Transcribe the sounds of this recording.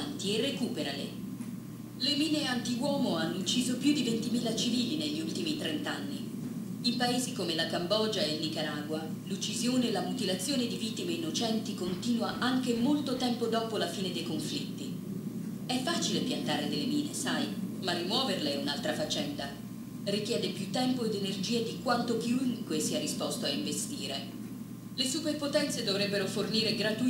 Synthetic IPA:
nt̪ierːekuːpeɾalḛ | lemiːneant̪iwɔːmoanːout͡ʃːiːzopjud̪ivent̪imiːlat͡ʃiviːlineʎːiult̪imit̪ɾent̪anːi | impaeːzikomelakambɔːd͡ʒaelnikaɾaːɡwa | lut͡ʃːizjoːnelamut̪ilat̪sːjoːned̪ivit̪ːimeinːot͡ʃɛnt̪ikont̪iːnwaʔaŋk̟emolt̪ot̪ɛmpod̪ɔːpolafiːned̪ejkoɱflit̪ːi | ɛfːaːt͡ʃilepjant̪aːɾed̪elːemiːnesajmarimwɔːverleɛunalt̪ɾafat͡ʃːɛnd̪a | rikʲjɛːd̪epjut̪ːɛmpoed̪enerd͡ʒiːed̪ikwant̪okiuŋkwesiɛrispɔst̪oaiɱvest̪iːɾe | lesuperpot̪ɛnt̪sed̪ovɾɛbːeɾoforniːɾeɡɾat̪u

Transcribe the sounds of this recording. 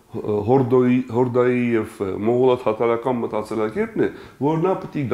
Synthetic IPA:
ɦɔɾd̪ɔiɦɔɾd̪ɑjijɛvmɔʁulɑt̪ʰhɑt̪ʰɑɾɑkɑnmət̪ɑt͡sɛlɑkɛɾt̪nɛ | vɔɾnɑpət̪iɡ

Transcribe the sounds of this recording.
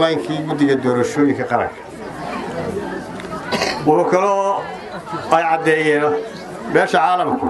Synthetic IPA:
aːŋkʰiːɡʊd̪ɪɣɐd̪ɔːɾɐʃɔːjɪŋkʰɐqɑɾɐ̰ŋkʰɐ̥ | wʊħʊkʰɐlɔː | ɛjʕɑd̪ɛːjɛːn | bɛːʃɐʕɑːlɐmkʰʊ

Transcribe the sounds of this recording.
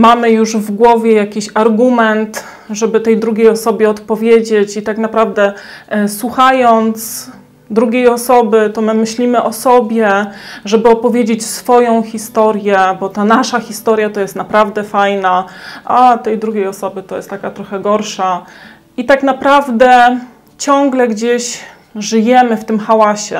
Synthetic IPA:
mamɘjuʐvɡwɔvʲjɛjakʲiɕaɾɡumɛnt̪ | ʐɛbɘt̪ɛjd̪ɾuɡʲejɔsɔbʲjɛɔt̪pɔvʲjed͡ʑet͡ɕit̪aknapɾavd̪ɛswuxajɔnt̪s | d̪ɾuɡʲejɔsɔbɘt̪ɔmɘmɘɕlʲimɘʔɔsɔbʲjɛʐɛbɘɔpɔvʲjed͡ʑet͡ɕsfɔjɔ̃w̃xʲist̪ɔɾjɛbɔt̪anaʂaxʲist̪ɔɾʲjat̪ɔjɛst̪napɾavd̪ɛfajnaʔat̪ɛjd̪ɾuɡʲejɔsɔbɘt̪ɔjɛ̰st̪ːakat̪ɾɔxɛɡɔɾʂa | it̪aknapɾavd̪ɛ | t͡ɕɔŋɡlɛɡd͡ʑeɕ | ʐɘjɛmɘft̪ɘmxawaɕɛ

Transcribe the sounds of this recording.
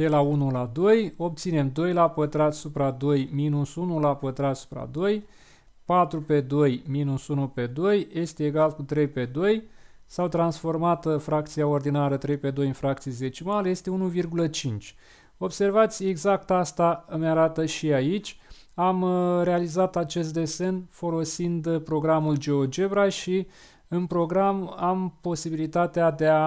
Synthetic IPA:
d̪̥elaunulad̪o̞jo̞p̚t̪sine̞md̪o̞jlapət̪ɾat̪supɾad̪o̞jminusunulapət̪ɾat̪su̥pɾa̰d̪o̞j | pat̪ɾupe̞d̪o̞jminusunupe̞d̪o̞jje̞st̪e̞ːɡalkut̪ɾe̞jpe̞d̪o̞j | sawt̪ɾansfo̞rmat̪əfɾak̚t̪siao̞rd̪inaɾət̪ɾe̞jpe̞d̪o̞jɨnfɾak̚t̪sieze̞t͡ʃimalje̞st̪e̞unuvirɡulət͡ʃint͡ʃʲ | o̞bse̞rvat̪sʲie̞ɡzak̚t̪ast̪amjaɾat̪əʃiait͡ʃʲ | amre̞alizat̪at͡ʃe̞st̪̚d̪e̞se̞nfo̞lo̞sind̪pɾo̞ɡɾamuld͡ʒe̞o̞d͡ʒe̞bɾaʃi | ɨnpɾo̞ɡɾamampo̞sibilit̪at̪ead̪e̞a

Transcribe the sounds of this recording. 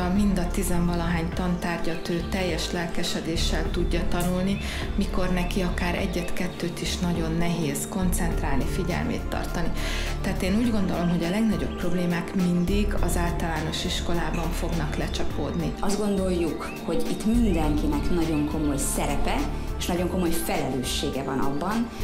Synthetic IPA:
ɒmind̪ɒt̪izɛɱvɒlɒɦaːɲt̪ɒnt̪aːrɟɒt̪øːt̪ɛjːɛʃlɛlkɛʃɛd̪eːʃːɛlt̪uɟːɒt̪ɒnulni | miko̞rnɛkiɒkaːɾɛ̰ɟːɛt̪kɛt̪ːøːt̪iʃnɒɟo̞nːɛɦeːzko̞nt̪sɛnt̪raːlnifiɟɛ̰lmḛːt̪ːɒ̰rt̪ɒnit̪ɛːt̪eːnuːɟɡo̞nd̪o̞lo̞mɦoɟɒlɛɡnɒɟo̞̰pːro̞bleːmaːkmind̪iɡɒ̰zaːlt̪ɒlaːno̞ʃiʃko̞laːbɒɱfo̞ɡnɒklɛt͡ʃɒpo̰ːd̪niɒzd̪ɡo̞nd̪o̞jːuk | ho̞ɟit̪mind̪ɛŋkinɛknɒɟo̞ŋko̞mo̞jsɛɾɛpɛ | eʃnɒɟo̞ŋko̞mo̞jfɛlɛløːʃːeːɡɛvɒnɒ̰bːɒn

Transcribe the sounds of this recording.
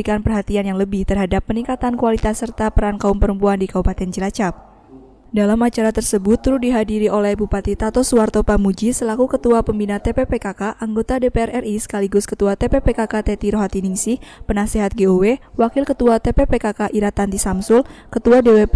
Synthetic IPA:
ikanpərɦat̪ianjaŋləbɪht̪ərɦadapːəniŋkat̪ankualit̪asːərt̪apəɾankaumpəɾəmpuandikaupat̪ɛnd͡ʒəlat͡ʃap̚ | dalamat͡ʃaɾat̪ərsəbʊt̪ːɾʊdiɦadiɾiʔolɛhbupat̪it̪at̪ɔsuart̪opamud͡ʒisəlakukət̪uapəmbinat̪epepekakaʔaŋɡot̪adepeɛrʔɛrʔisə̥kaliɡʊskət̪uat̪epepekakat̪ɛt̪iɾoɦat̪iniŋsihpənasiɦat̪̚ɡeowewakɪlkət̪uat̪epepekakaʔiɾat̪ant̪isamsʊlkət̪uadewe

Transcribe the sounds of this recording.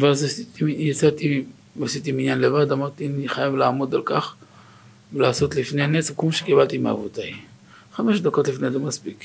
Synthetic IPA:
veazasit̪ijat͡sat̪i | vasit̪iminjanlevad̪amaʁt̪ianiχajavlaːmo̞d̪alkaχ | velaːso̞t̪lifne̞janesvkmoʃekibalt̪imea̰vot̪aj | χameʃd̪ako̞t̪lifnejzemaspik

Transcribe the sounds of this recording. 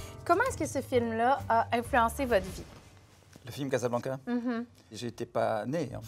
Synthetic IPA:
kɔmɑ̃ɛskəsəfilmlaːʔɛ̃flyɑ̃sevɔt̪vi | ləfilmkazablɑ̃kaɦ̩ | ʒeːt̪epaneɑ̰̃

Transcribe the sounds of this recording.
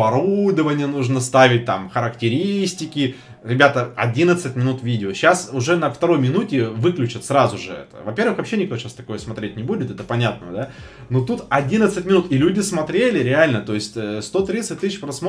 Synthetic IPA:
ɐɾud̪əvənʲɪjənuʐnəst̪avʲɪt̚ʲt̪a̰mxəɾəktʲɪɾʲisʲtʲɪkʲɪ | ɾʲɪbʲat̪əɐdʲinət̪sɨtʲmʲɪnut̪vʲidʲɪoɕasʊʐɛnəft̪ɐɾo̞jmʲɪnutʲɪvɨklʲʉt͡ɕɪt̪sɾazʊʐɨɛ̰t̪ə̰vɐpʲe̞rvɨxvɐpɕenʲɪk̚t̪oɕast̪ɐko̞jəsmɐt̪ɾʲetʲnʲɪbudʲɪt̪ɛt̪əpɐnʲat̪̚nə̰d̪a | not̪ut̪ɐdʲinət̪sɨtʲmʲɪnut̪ɪlʲudʲɪsmɐt̪ɾʲelʲɪɾʲɪalʲnət̪o̞ɪsʲtʲəst̪o̞t̪ɾʲit̪sɨt̚ʲt̪ːɨsɕpɾɐsmo

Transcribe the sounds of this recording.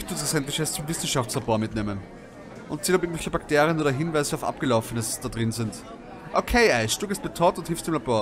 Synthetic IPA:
çtd̥uːdasɛntlɪçɛst͡sʊmvɪsn̩ʃaftt͡slaboːɐmɪtneːmən | ʔʊ̰̃ntt͡siːlɔpɪɡŋ̩vɛlçəb̥akteːʁiənoːdɐɦɪnvaɪzəaʊfʔa̰p̚ɡ̥əlaʊfənəsd̥adʁɪnzɪnt | ʔokʰeɪʔaɪʃd̥uːɡeɪst̚b̥ətʰɔːtʊnthɪlfstuʊɪmlaboːɐ

